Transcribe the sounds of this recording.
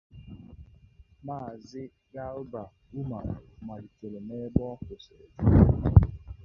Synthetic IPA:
maː˦˨zɪ˦ | ja˦ɾʊ˦ba˨ | u˦ma̰˨ma˨di˨te˨le˨me˦bɔ˦kʊ˨se˨d͡ʒu˦

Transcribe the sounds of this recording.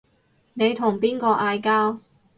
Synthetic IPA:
ne˨˧jt̪ʰʊ˨˩ŋpiː˥nkɔː˧ʔaː˧jkaː˥w

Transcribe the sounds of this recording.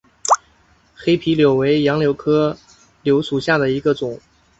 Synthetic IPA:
xe˥ɪpʰi˧˥ljo˨˩ʊwe˧˥ɪjɑ˧˥ŋljo˧˥ʊkʰɤ˥ | ljo˧˥ʊʂu˨˩ɕja˥˩d̪ə˩i˧˥ɡə˧t͡sʊ˨˩˦ŋ

